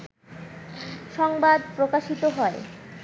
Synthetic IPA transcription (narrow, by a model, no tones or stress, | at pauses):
ʃɔŋbad̪̚pɾokaʃit̪oɦɔe